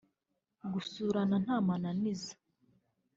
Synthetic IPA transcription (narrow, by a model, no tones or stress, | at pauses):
ɡusuːɾanan̥haːmananizḁ